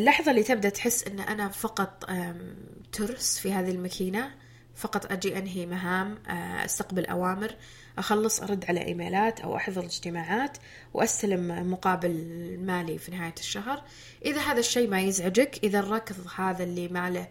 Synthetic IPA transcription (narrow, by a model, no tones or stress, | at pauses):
ʔlːɑːħðˤɑlːiːt̪ɪb̚d̪aʔt̪ħɪsːʔɪnːʔanafɑqɑt̪ˤ | t̪ʰʊɾsfihaːðilmakʰiːna | fɑqɑt̪ˤʔad͡ʒiʔanɦimaɦaːmʔa̰st̪aqbalʔa̰waːmɪɾ | ʔaxɑlːɨsˤʔɑ̰ɾˤɑd̪ːʕala̰ʔḭːma̰ːlaːt̪ʔa̰wʔɑ̰ħðˤɑlɪd͡ʒt̪ɪmaːʕaːt̪ | wʔast̪alɪmːʊqɑːbɪlmaːlifinɪɦaːjaʃːaɦɾ | ʔɪðaɦaːðaʃːeːmajɪzʕad͡ʒakʔɪðarˤːɑːkɨðˤhaːðalːimaʕlɪ